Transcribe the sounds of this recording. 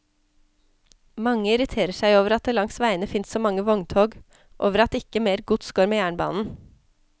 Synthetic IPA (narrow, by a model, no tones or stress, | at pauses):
mɑŋːəɪɾɪt̪ʰeːɾəʂæɪoːʋəɾɑt̪̚d̪eːlɑŋsʋæɪənəfɪnssɔːmɑŋːəʋɔŋt̪ʰoːɡ | ʔo̰ːʋəɾɑt̪̚ːɪkəmeːɾɡʊd̪sɡ̥oːɾmeːjæːɳbɑ̰ːnn̩